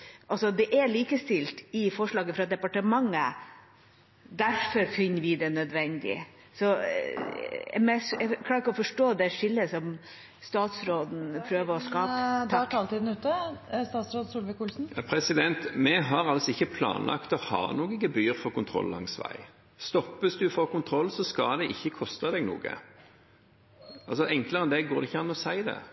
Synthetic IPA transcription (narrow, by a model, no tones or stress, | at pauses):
ʔɑlsɔd̪ɛʔæɭiːkəst̪ɪlt̪ɪfɔʂɭɑːɡəfɾɑd̪ɛpɑʈəmɑŋːə | d̪æɾfɔɾfɪnːəɾʋɪd̪ɛnœd̪ʋɛnd̪ɪ̰ | sɔ | ɛ̰mɛsɛkʰlɑːɾɪkːɔfɔʂʈoːd̪ɛʂɪlːəsɔm | st̪ɑːt̪sɾoːd̪n̩pʰɾøːʋəɾɔskɑːd̪ʈʰɑːlt̪iːd̪n̩ʉːt̪əst̪ɑːt̪sɾoːd̪sʊlʋɪkuːlsn̩ɑpʰɾɛsɪd̪ɛnt̪mɛɦɑɾɑlsɔɪçːəpʰlɑ̰ːnlʔɑ̰kt̪ɔhɑ̰ːnuːɡɪɡəbyːəɾfɔʁkʊnt̪ʰɾɔ̰lːɑ̰ŋsʋæ̰ɪ | st̪ɔpːəsd̪ʉfoːkʊnt̪ʰɾɔlsɔskɑld̪ɛʔɪçːəkʰɔst̪əd̪ɛɡnṵːɡə̰ | ʔɑlsɔʔɛŋkləɾɛnd̪ɛɡoːɾɛɪçəɑnɔsæɪd̪ɛ̰